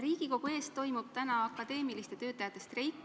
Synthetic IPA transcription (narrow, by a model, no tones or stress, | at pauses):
ɾiːɡ̥iko̞ɡ̥ue̞ːst̪o̞jmub̥̚t̪ænɑɑkːˑɑd̪e̞ːmilist̪e̞t̪ø̞ːt̪ːˑɑjɑt̪ːˑe̞st̪re̞jk